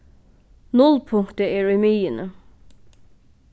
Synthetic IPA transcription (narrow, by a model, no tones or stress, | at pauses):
nʊlpʰʊŋkt̪əɛːɹʉjmiːənə